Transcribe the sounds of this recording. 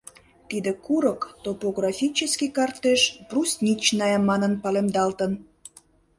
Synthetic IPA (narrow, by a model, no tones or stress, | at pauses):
t̪id̪ekuɾəkt̪opoɣrɑfʲit͡ɕəskikɑrt̪eʃprusnʲit͡ɕnɑjɑmːɑnənpɑlemd̪ɑlt̪ən